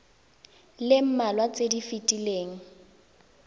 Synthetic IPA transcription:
lɪm̩malwat͡sʼedifitʼileːŋ̩

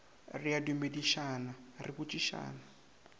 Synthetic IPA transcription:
rijadumbediʃaːnarʔikut͡ʃʼiʃa̰ːna

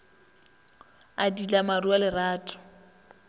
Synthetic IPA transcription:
adilamarualɪraːtʼɔ̥

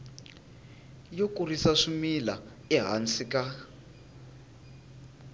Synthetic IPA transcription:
jokurisaʂumila | ɛɦa̰nt͡sika

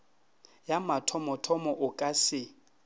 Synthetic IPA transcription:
jamatʰɔmɔtʰɔmɔʔʊkʼasɪ

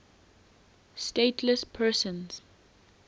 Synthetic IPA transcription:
stetʰləspʰɜsə̃nz̥

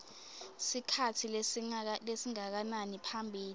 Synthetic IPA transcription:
sikʰatʰi | lesiŋak̬ananipʰambʱiːli

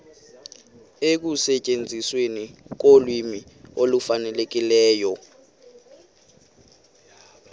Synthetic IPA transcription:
ek̬usɛt͡ʃʼend͡zʱiswenik̬olwimi | olufanɛlek̬ilɛːjɔ

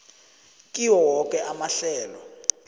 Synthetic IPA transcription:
kʼiwɔwɔkʼɛʔamaɬɛːlɔ

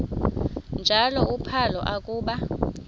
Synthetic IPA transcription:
nd͡ʒʱalɔupʰalɔ̰ʔakʼuːɓa

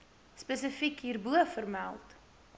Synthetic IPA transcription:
spəsəfikɦiːrbuəfərmælˠt

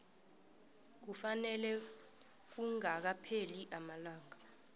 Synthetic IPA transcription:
k̬ufanɛlɛ | k̬uŋak̬apʰeliʔamalaːŋa

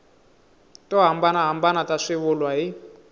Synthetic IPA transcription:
tɔɦambanaɦambanataʂiβulwaɦi

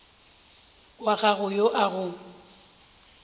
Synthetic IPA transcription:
waɣaɣʊjoʔaɣʊ

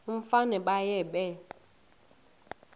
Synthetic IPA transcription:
m̩fanɛɓajɛɓɛ

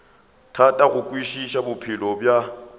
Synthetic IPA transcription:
tʰatʼaɣʊkʼwiʃiʃabʊpʰɪlɔbja

